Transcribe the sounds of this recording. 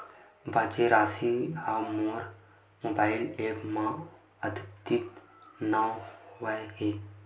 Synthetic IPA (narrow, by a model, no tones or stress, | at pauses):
bʱãːt͡ʃeɾaːsihamoːɾ | moːbaːɪleːpmã | əd̪bt̪it̪ | naʋaɦe